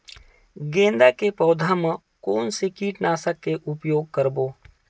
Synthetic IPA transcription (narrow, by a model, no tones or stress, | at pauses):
ɡẽːnd̪akepɔːd̪ʱamə̃ | koːnsekiːʈnaːsəkːeʔʊpjoːɡ̚kəɾboː